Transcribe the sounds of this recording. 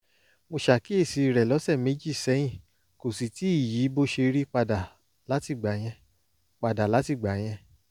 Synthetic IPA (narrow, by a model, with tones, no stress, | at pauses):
mo˧ʃa˨ki˦e˦˨si˧˨ɾɛ˨lɔ˨˦sɛ˦˨me˨˦d͡ʒi˦˨sɛ˨˦j̃ĩ˦˨ | ko˨si˨ti˨˦i˦˨ji˨˦bo˦ʃe˧ɾi˦k͡pa˧da˨ | la˨˦ti˦˨ɡ͡ba˨˦j̃ɛ̃˧ | k͡pa˧da˨la˨˦ti˦˨ɡ͡ba˨˦j̃ɛ̃˧